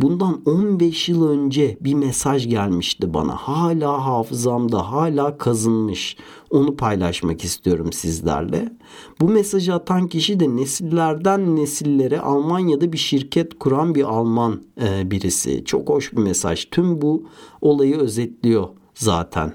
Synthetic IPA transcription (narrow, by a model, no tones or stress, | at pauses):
bund̪anonbɛʃjɯlˠø̞nd͡ʒɛbimesaʒɟælʲmiʃt̪iba̰na̰haːlʲaːɦaːfɯzamd̪aɦaːlʲaːkʰazɯnmɯʃ | o̞nupʰajlˠaʃmakist̪ʰijo̞ɾumsizlʲæ̰ɾlʲɛ̰ | bumesaʒɯat̪ʰanciʃid̪ɛnesilʲːæɾd̪ænːesilʲːe̞ɾɛ̰ʔa̰lˠmanjad̪abiʃiɾcʰɛt̪kʰuɾanbiʔalˠmanbiɾisḭt͡ʃʰo̞̰kho̞ʃbimesa̰ʒt̪ʰymbuo̞lˠajɯø̞zɛt̪lʲijo̞ | za̰ːt̪ʰæ̰n